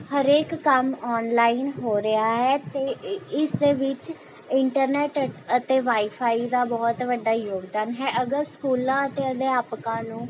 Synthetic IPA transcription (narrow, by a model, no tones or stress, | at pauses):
həɾeːkːəmɔːnlaːinɦoːɾəaːɦɛːt̪eːɪsd̪eːʋɪt͡ʃ | ɪɳʈəɾnɛːʈət̪eːʋaːipʰaːid̪aːbɔːt̪ʋəɖːaːjoːɡd̪aːnɦɛːʔəɡəɾskuːlãːət̪eːəd̪eːaːpkãːnũː